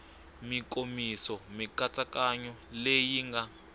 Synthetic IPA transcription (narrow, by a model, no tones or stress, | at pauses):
mikʼomisɔmikat͡sakaɲɔlejiŋɡa